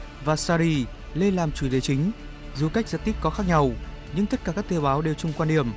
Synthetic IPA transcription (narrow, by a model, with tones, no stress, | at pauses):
vaː˨˩saː˧ɾi˧ | le˧laː˨˩mt͡ɕu˧˩t̪e˨˦t͡ɕï˨˦ŋ̟ | zu˨˩ka˦˥jk̟̚zə̰˧˥t̪i˦˥k̚kɔ˨˦xaː˦˥k̚ɲa˧w | ɲɨ̰˧˥ŋt̪ə˦˥t̚kaː˧˩kaː˦˥t̪e˧ɓaː˨˦wɗe˨˩wt͡ɕʊ˧ŋ͡mkwaː˧nɗi˧˩əm